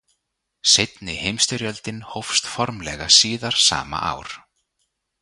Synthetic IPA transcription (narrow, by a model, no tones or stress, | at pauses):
sejt̪nɪhejmst̪ʏɾjœlt̪ɪnhowfst̪fɔɾmlɛɣasiːðaɾ̥sa̰ːma̰ʔa̰ːwɾ̥